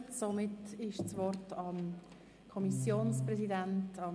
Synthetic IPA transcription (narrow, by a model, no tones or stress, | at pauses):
somɪtɪʃt͡svɔɾtʰɑm | kʰɔmisjoːnsprɛzidæntʰɑ